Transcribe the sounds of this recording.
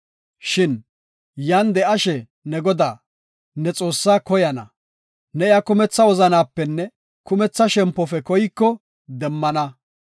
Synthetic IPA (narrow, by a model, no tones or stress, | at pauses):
ʃɪn | jɐnd̪ɛɐʃɛ | nɛɡɔd̪aː | nɛt͡sʼo̞ːsːaːkɔjɐnɐ̰ | nɛɪjakʊmɛt͡sːɐwɔzɐnaːpːɛnːɛ | kʊmɛt͡sːɐʃɛmpːɔfɛkɔjɪkːɔ | d̪ɛmːɐnɐ